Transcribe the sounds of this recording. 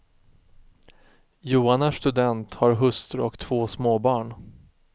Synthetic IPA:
juːanaʂt̪ɵd̪ɛnt̪haɾɦɵst̪ɾɔkt̪ʰv̥oːsmoːbɑːɳ

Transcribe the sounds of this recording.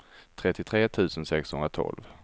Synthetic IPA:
t̪ʰɾɛt̪ːɪt̪ʰɾeːt̪ʰʉ̟ːsənsɛkshɵnɾat̪ʰɔ̰lv

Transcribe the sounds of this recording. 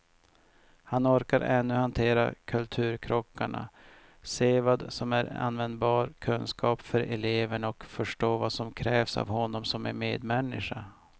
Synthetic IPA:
hanɔɾkaɾʔɛnːɵhant̪ʰeːɾa̰kʰɵlt̪ʰʉ̟ːɾkʰɾɔkːaɳa̰ | seːvad̪sɔmæɾa̰nːvɛnd̪̚bɑːɾkʰɵnskʰɑːpfœɾɛleːvəɳɔkfœʂʈoːvasɔmkʰɾɛːvsa̰vhɔnːɔmsɔmæɾmeːd̪mɛnːɪʂa

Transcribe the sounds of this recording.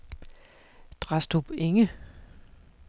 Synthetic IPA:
d̥ʁɑsd̥ob̥eŋə

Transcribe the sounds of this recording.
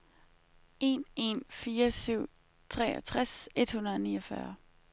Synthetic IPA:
e̝̰ne̝nfiːɐsyʊ̰ | t͡sʰʁɛ̰ːɒt͡sʰʁase̝d̥hunɐð̩ˠnḭːɒfɶɐ

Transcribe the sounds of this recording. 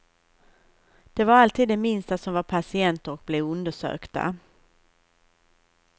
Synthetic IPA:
d̪̥ɛvaɾalt̪ʰiːd̪ːɛmɪnst̪asɔmvaɾpʰasɪɛnt̪əɾɔk̚blɛvɵnd̪əʂø̰ːkt̪a̰

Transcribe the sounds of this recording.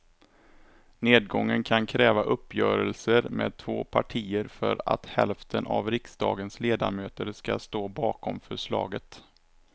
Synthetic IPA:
neːd̪̚ɡɔŋːənkʰankʰɾɛːvaʔɵpːjœːɾəlsəɾmḛːd̪̚t̪ʰvoːpʰaʈʰiːəɾfœɾa̰t̪hɛlft̪ʰənʔavɾɪksd̪ɑːɡənsleːd̪a̰møːt̪əɾskast̪oːbɑːkɔmfœʂlɑːɡət̪

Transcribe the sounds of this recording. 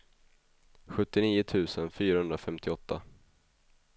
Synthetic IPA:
ɧɵt̪ːɪniːʊt̪ʰʉ̟ːsənfyːɾahɵnd̪ɾafɛmt̪ɪɔt̪ʰːa

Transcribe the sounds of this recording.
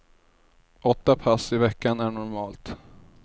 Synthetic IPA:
ʔɔt̪ːapʰasɪvɛkːanæɳɔɾmɑːlt̪

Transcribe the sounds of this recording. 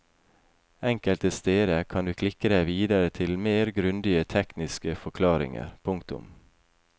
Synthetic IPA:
ɛŋkəlt̪əst̪eːd̪əkʰɑnd̪ʉːkʰlɪkːəd̪æɪʋiːd̪əɾət̪ʰɪlmeːɾɡɾʉnd̪ɪət̪ʰɛknɪskəfɔkʰlɑːɾɪ̰ŋə̰ɾpʰʊŋkt̪ʊ̰m

